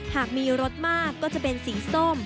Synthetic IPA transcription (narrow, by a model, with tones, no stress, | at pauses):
haː˨˩k̚miː˧ɾo˦˥t̪̚maː˥˩kːɔː˥˩t͡ɕa˨˩pe˧nsiː˩˦so˥˩m